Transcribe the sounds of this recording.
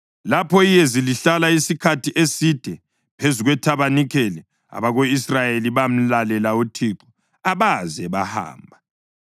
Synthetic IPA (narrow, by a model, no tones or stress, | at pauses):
lapʰɔijɛziliɬalaisikʰatʰiʔesid̥ʱɛ | pʰezuɣwɛtʰaβanikʰɛlɛ | a̰βaɣoisrajeliβam̩lalɛlautʰiǁɔ | aβazɛβaha̰ːmbʱa